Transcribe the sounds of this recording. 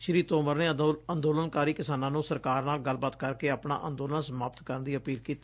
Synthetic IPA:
ʃəɾiːt̪oːməɾneːənd̪oːlənkaːɾiːkɪsaːnãːnũːsəɾkaːɾnaːlɡəlbaːt̪kəɾkeːaːpna̰ːʔənd̪oːlənsəmaːpt̪kəɾənd̪iːəpiːlkiːt̪a

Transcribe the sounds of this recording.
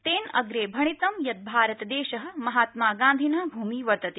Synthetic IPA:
t̪eːnɐ̰ɡɾeːbʱɐɳ̃it̪ɐmjɐt̪̚bʱaːɾɐt̪ɐd̪eːʃɐɦɐ̆mɐɦaːt̪maːɡãːnd̪ʱinɐɦbʱuːmiːʋɐɾt̪ɐt̪e

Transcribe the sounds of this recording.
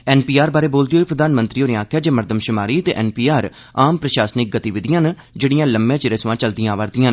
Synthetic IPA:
ɛːnpiːaːɾbaːɾeːboːld̪ɪoiːpɾəd̪aːnmənt̪ɾiːoːneãːkʰjaːd͡ʒeːməɾd̪əmʃʊmaːɾiːt̪eːʔɛːnpiːaːɾ | aːmpɾəʃaːsnɪk̚ɡət̪iːʋɪd̪ɪjãːn | d͡ʒeːɽɪjãːləmːjãːt͡ʃɪɾəsʋãːt͡ʃəld̪ɪjãːʋəɾd̪ɪjãːn

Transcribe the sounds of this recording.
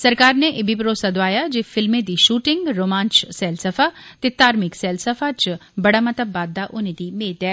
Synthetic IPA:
sɐɾkaːɾneʔɪbipɾoːsad̪oʋaːjad͡ʒeːfɪlmẽd̪iːʃuːʈɪŋɡɾoːmãːnt͡ʃsɛːlsəfat̪et̪aːɾmɪksɛːlsəfat͡ʃbɐɽamɐt̪əbːaːd̪ːaʔʊnẽd̪iːmeːd̪ɛː

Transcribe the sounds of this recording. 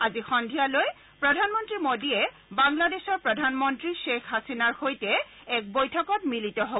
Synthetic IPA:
azixɔndʱijaloj | pɹɔdʱanmɔntɹimodiɛ | baŋladesɔɹpɹɔdʱanmɔntɹiʃekʰɦasinaɹxojtɛ | ɛk̚bojtʰɔkɔtmilitɔɦo

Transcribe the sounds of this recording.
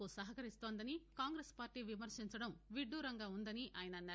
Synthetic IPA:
usɐɦɐkɐɾist̪oːnd̪ɐnikaːŋɡɾeːspaːɾʈiːʋimɐɾʂiɲt͡ʃɐɽɐmʋiɖːuːɾɐŋɡaːund̪ɐniʔaːjɐnɐnːaː

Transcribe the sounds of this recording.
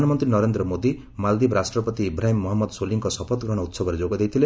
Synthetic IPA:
anʌmɔnt̪rinʌɾend̪ɾʌmod̪i | mald̪ibɾasʈrʌpʌt̪ibɾajmːɔɦɔmːɔd̪soliŋkɔsʌpʰɔt̪ɡɾɔɽ̃ut̪sʌbʱʌɾid͡zoɡɔd̪ejt̪ʰile

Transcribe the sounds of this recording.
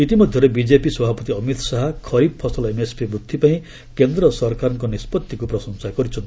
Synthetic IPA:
it̪imɔd̪ʱjɔɾebid͡ʒepiswɔbʱapɔt̪iʌmit̪ʰɔsaɦakʰɔɾib̚pʰɔsɔlemespibɾud̪ʱːipaĩ | kend̪ɾɔsɔɾkaɾɔŋkɔnispɔt̪ːikupɾɔsɔnsakɔɾit͡ʃʰɔnt̪ii

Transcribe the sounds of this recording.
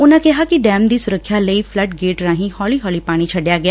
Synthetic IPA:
ʊnãkɪɦakiɖɛːmd̪iːsʊɾəkʰːjaːləiːpʰləʈ̚ɡeːʈɾãːɦĩhɔːliːɦɔːliːpaːɽ̃it͡ʃʰɐɖjaːɡɪjaː

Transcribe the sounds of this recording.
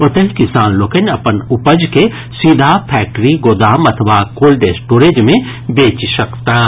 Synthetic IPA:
ʊt̪əɦkɪsaːnloːkənɐpənʊpəd͡ʒke | sid̪ʱapʰɛːk̚ʈɾiɡoːd̪aːmɐt̪ʰʋakoːlɖeːsʈoːɾed͡ʒmẽ | beːt͡ʃsɐkt̪a

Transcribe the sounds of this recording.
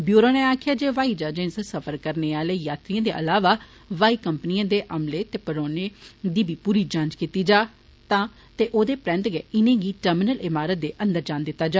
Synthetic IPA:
bjuːɾoːneːaːkʰɪjaːd͡ʒeːʋaːiːd͡ʒaːd͡ʒẽnssəfʰəɾkəɾneːaːleːjaːt̪ɾiãːd̪eːʔəlaːʋaː | ʋaːiːkəmpniãːd̪eːʔəmleːt̪eːpəɾoːneːd̪iːbʱiːpuːɾiːd͡ʒãːnd͡ʒkiːt̪iːd͡ʒaː | t̪ãː | t̪eːʔoːd̪eːpɾɛ̃ːnt̪ɡɛːɪnẽːɡiːʈəɾmɪnəlɪmaːɾət̪̚d̪eːʔə̃nd̪əɾd͡ʒãːnd̪ɪt̪ːaːd͡ʒaː

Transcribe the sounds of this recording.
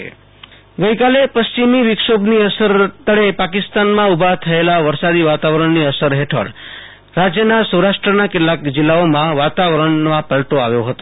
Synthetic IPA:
ɡəjkalepəst͡ʃimiʋɪkʃobniəsəɾt̪əɭepakɪst̪anmãubʱat̪ʰəelaʋəɾsad̪iʋat̪aʋəɾəɳniəsəɾɦeʈʰə̰ɭ | ɾad͡ʒjənasəwɾaʃʈɾənakeʈlakd͡ʒɪlːaomãʋat̪aʋɾəɳmãpəɭʈoaʋjoɦət̪o

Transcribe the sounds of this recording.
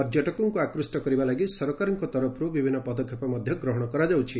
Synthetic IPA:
ɔɾd͡ʒjɔʈɔkɔŋkuakɾusʈɔkɔɾibalaɡisɔɾɔkaɾɔŋkɔt̪ɔɾɔpʰɾubibʱinːɔpɔd̪ɔkʰjɔpɔmɔd̪ʱjɔɡɾɔɦɔɽ̃ɔkɔɾad͡ʒawt͡ʃʰi

